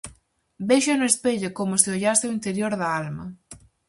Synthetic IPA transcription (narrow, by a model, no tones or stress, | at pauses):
beʃanoespeʎakomoseoʎaseoint̪eɾjoɾðɐalmɐ